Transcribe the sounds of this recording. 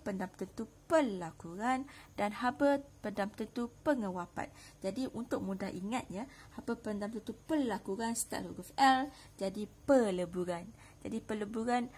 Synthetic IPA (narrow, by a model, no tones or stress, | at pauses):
pəndamt̪ənt̪upəlakuɾandanhabəpəndamt̪ənt̪upəŋə̃wapa̰t̪̚d͡ʒadiʔunt̪ʊk̚mũdaɦʔiŋat̪̚ɲã | habəpəndamt̪ənt̪upəlakuɾanst̪a̰ʔluɡafɛl | d͡ʒadipələbuɾan | d͡ʒa̰dipələbuɾan